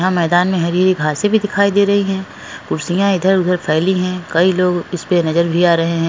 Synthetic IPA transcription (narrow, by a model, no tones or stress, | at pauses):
ɦãmɛːd̪aːnmẽɦɐɾiəɾiɡʱaːɾsebʱid̪ɪkʰaːid̪eːɾɐɦiɦɛ̃ː | kʊɾsijãɪd̪ʱəɾʊd̪ʱəɾpʰɛːliɦɛ̃kɐiloːɡɪspenɐzəɾbʱiaːɾɐɦeɦɛ̃ː